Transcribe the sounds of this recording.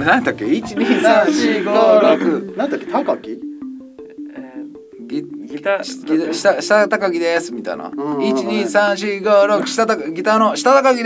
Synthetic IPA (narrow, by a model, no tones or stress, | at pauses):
nãt̪akʲːeit͡ɕiɲisãɕiɡaɾokɯnãnt̪akːet̪akakʲi | ɡʲi̥ | ɡʲiaɕi̥t̪aɕi̥t̪at̪akaɡʲid̪esɨmʲit̪a̰jna̰it͡ɕiɲisãɰ̃ɕ̬iɡaɾokɯ̟̥ɕi̥t̪at̪akɡʲit̪anoɕi̥t̪at̪akaɡʲid̪